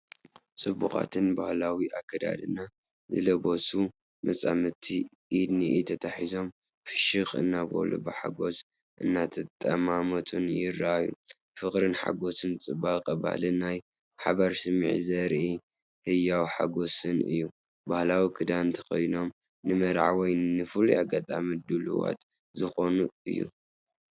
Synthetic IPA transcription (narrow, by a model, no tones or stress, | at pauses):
t͡sʼɨbːuxʼa̰t̪ʰɨnbahlawiʔakʰːɐd̪a̰d̪ɨna | zɨ̰lɐbo̞su | mɐt͡sʼamɨt̪ʰi | ʔːd̪niʔit̪ʰɐt̪ʰaħizo̞m | fɨʃɨxʼɨ̰nːabo̰lo̰bɨħa̰ɡo̞s | ʔɨnːat̪ʰɐt̪ʼːɐmamot̪ʰunjɪɾːaajṵ | fɨχʼɾɨnħa̰ɡo̞sɨnt͡sʼɨbaqʼɐba̰hlinaj | ħa̰βaɾsɨmḭʕizɐɾʔi | hɨjawħa̰ɡo̞sɨnɨ̰jːu | bahlawikʰɨd̪ant̪ʰɐ̥ko̰jno̞m | nɨmɐɾʕawɔjnɨfɨluaɡat̪ʼa̰mid̪ulṵwa̰t̪ | zɨxo̞nuɨ̰jːṵ